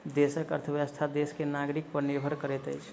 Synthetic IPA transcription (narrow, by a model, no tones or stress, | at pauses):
d̪esəkə̰ɾt̪ʰəʋjəst̪ʰad̪eskenaɡɾik̚pəɾnebʱəɾkəɾɛt̪əjt͡ʃʰ